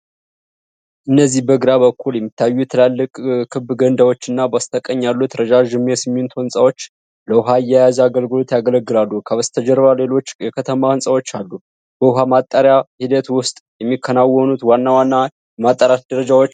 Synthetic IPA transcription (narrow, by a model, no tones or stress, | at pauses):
ʔɨnːəzːihbəɡɨɾaβəkʰːuljɛmːit̪ʰːajːujɛt̪ʰəlalːɨkʼkʰɨbɡənd̪awo̞t͡ʃːɨnːabast̪ʰəkʼəɲːalːut̪ɾəd͡ʒaʒɨmːiesɨmːint̪ʰohɨnsʼawo̞t͡ʃː | ləʊɦaɨjːɛjazaɡəlɡɨlo̞t̪jaɡələɡːɨlalːukʰəβəst̪ʰəd͡ʒɛɾβale̞lo̞t͡ʃːjɛkʰət̪ʰəmahɨnsʼawo̞t͡ʃːalːu | b̥əʊɦamat̪ʼːəɾjahid̪ət̪wʊst̪ʼjɛmːikʰːənawɔnut̪wanːawanːa | ɛmat̪ʼːəɾat̪d̪əɾəd͡ʒawot͡ʃː